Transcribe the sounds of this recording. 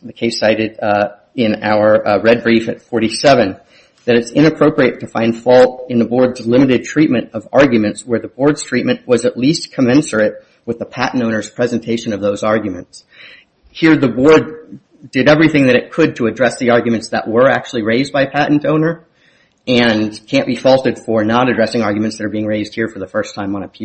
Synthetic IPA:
ðɨkʰeɪsaɪɾɨɾ | ɪ̃naʊə˞ɹɛd̚bɹifɨtfɔɹɾisɛvɨ̃n | ðɨɾɨtsɪ̃nɨpʰɹ̥oʊpɹiɨtʰɨfãɪ̃nd̥fɔlˠtɨ̃nðəbɔɹdzlɪ̃mɨɾɨd̚tʰɹ̥it̚mɨ̃nʌvɑ̰ɹɡjɨmɨ̃ntswə˞ðəbɔɹdz̥tʰɹ̥it̚mɨ̃nʔwʌzɨtˡliskʰəmɛ̃nsə˞ɨt̚ | wɨðəpʰæʔn̩tõʊ̃nə˞z̥pʰɹ̥ɛzɨ̃n̩tʰeɪʃɨ̃nʌvðoʊzɑɹɡjmɨ̰̃nts | hiɹðɨbɔɹd | dɨɾɛvɹiθɪ̃ŋðɨɾɨt̚kʰɨd̚tʰɨɨdɹɛsðiɑɹɡjɨmɨ̃ntsðə̰ʔwə˞æ̰k̚t͡ʃʉl̩ˠiɹeɪzbaɪpʰæʔn̩tõʊ̃nə˞ | ɨ̃nkʰæ̃nb̥ifɔlˠtɨd̥fə˞nəɾɨdɹɛsɪ̃ŋɑɹɡjmɨ̃ntsðɨɾə˞biɪ̃ŋɹeɪzd̚hiɹfə˞ðəfɜ˞stʰãɪ̃mʌ̃nəpʰi

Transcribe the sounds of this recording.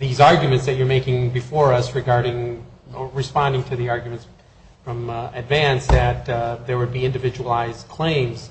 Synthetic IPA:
ðizɑɹɡjmɨ̃ntsðɨt͡ʃə˞meɪkɪ̃ŋbɨfɔɹʌsɹɨɡɑɹɾɪ̃ŋ | ɹɨspɑ̃ndɪ̃ŋtʰɨðiɑɹɡjɨmɨ̃nts | fɹʌ̃mɨdvæ̃nsðɨt̪̚ðə˞wɨd̚biɪ̃ndɨvɪd͡ʒəwl̩aɪzd̚kʰl̥ẽɪ̃mz̥

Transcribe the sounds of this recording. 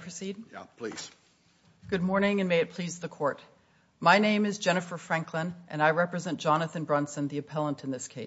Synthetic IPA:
pʰɹ̥ɨsid̚j̰pʰlḭz̥ | ɡ̥ʊd̚mɔɹnɪ̃ŋɨ̃nmeɪɨt̚pʰl̥izðəkʰɔɹt̚ | maɪnẽɪ̃mɨzd͡ʒɛñɨfə˞fɹæ̃ŋkʰlə̃nʔɨ̃naɪɹɛpɹɨzɛ̃nd̥ʒ̥ɑnɨθɨ̃nbɹɑ̃nsɨ̃nðiɨpʰɛlˠə̃ntʰnðɪskʰeɪ

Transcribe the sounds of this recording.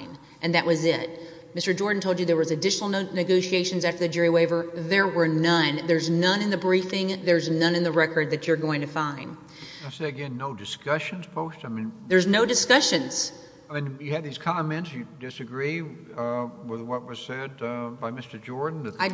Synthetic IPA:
n | ʔɨ̃nðɨʔwʌzɪt̚ | mɪstə˞d͡ʒɔɹdⁿn̩tʰoʊlˠd͡ʒɨðə˞wʌzɨdɪʃnl̩ˠnɨɡoʊʃieɪʃɨ̃n̩zæftə˞ðɨd͡ʒʊɹiweɪvə˞ðə˞wə˞nʌ̃nðə˞znʌ̃nɨ̃nðɨbɹiθɪ̃ŋðə˞znʌ̃nɨ̃nðɨɹɛkə˞d̪̚ðɨt͡ʃə˞ɡoʊɪ̃ŋtʰɨfãɪ̃nd | aɪseɪɨɡɛ̃nːoʊdɨskʌʃɨ̃nz̥pʰoʊstaɪmĩnðə˞znoʊdɨskʌʃɨ̃nz̥ | m̃njɨɨd̪̚ðiz̥kʰɑmɛ̃ntsjɨdɨsɨɡɹi | wɪðwʌt̚wʌz̥sɛd̚baɪmɪstə˞d͡ʒɔɹdⁿn̩ðɨaɪ

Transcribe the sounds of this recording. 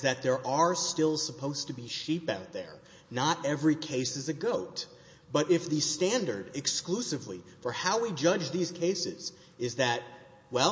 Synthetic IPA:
zðɨt̪̚ðə˞ʔə˞stɪlˠsəpʰoʊz̥tʰɨbiʃipaʊt̪̚ðə̰˞ | nəɾɛvɹikʰeɪsɨzɨɡoʊt̚ | b̥ʌɾɪfðɨstæ̃ndə˞ɾɨksklusɨvlifə˞haʊwid͡ʒʌd͡ʒðiz̥kʰeɪsɪz̥ | ɨzðɨt̚ | wɛl

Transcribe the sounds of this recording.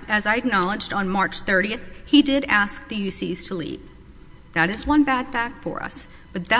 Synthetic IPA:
ɨzaɪɨk̚nɑlˠəd͡ʒdn̩mɑɹt͡ʃθɜ˞ɾiɨθhidɪɾæsk̚ðɨjʉsiz̥tʰəlḭp | ðɨɾɨzwʌ̃nbæd̥̚fæk̚tfə̰˞ʌ̰s | b̥ʌt̪̚ðɨ

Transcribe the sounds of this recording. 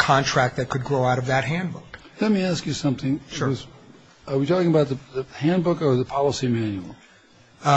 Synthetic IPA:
kʰɑ̃ntʰɹ̥æk̚t̚ðɨt̚kʰɨd̚ɡɹoʊaʊɾʌvðɨt̚ɦæ̃nbʊk | lɛt̚miæskjɨsʌ̃mθɪ̃ŋwʌz | əwitʰɔkɪ̃ŋəbaʊt̪̚ðɨðɨhæ̃nbʊkə˞ðəpʰɑlˠəsimæ̃njul̩ˠ

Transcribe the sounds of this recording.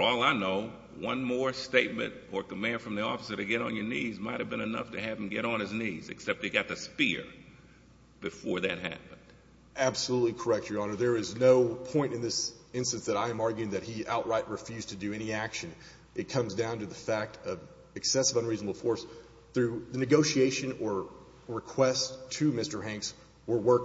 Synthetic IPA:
əɔlˠaɪnoʊ | wʌ̃nmɔɹsteɪt̚mɨ̰̃ntə˞kəmæ̃nd̥fɹʌ̃mðiɔfə̥sə˞ɾɨɡɛɾn̩jə˞nizmaɪt̚hɨvbɨ̃ñɨnʌ̰ftʰɨɨṽm̩ɡɛɾn̩ɨznizɨ̰ksɛp̚t̚ɨɪɡɑt̪̚ðɨspɪɹ | b̥ɨfɔɹðɨ̰t̚ɦæ̰pɨ̃n̩d̥ | æb̥səlutˡlikʰə˞ɛk̚t͡ʃə˞ɑnə˞ðə˞ɪznoʊpʰɔ̃ɪ̃ntɨ̃nðɪs | ɪ̃nstɨ̃nsðɨɾaɪɨ̃mɑɹɡjʉɪ̃ŋðɨt̚hiʔa̰ʊʔɹaɪʔ̚ɹɨfjʉz̥tʰɨdɨɛñiækʃɨ̃n | ʔɨt̚kʰʌ̃mzdãʊ̃ntɨðəfæk̚tʰʌv | ɨksɛsɨvʌ̃nɹiznəbl̩ˠfɔɹs | θɹʉðɨnɨɡoʊʃieɪʃɨ̃nə˞ | ɹɨkʰw̥ɛstʰɨmɪstə˞ɦæ̃ŋks | wə˞wɜ˞k

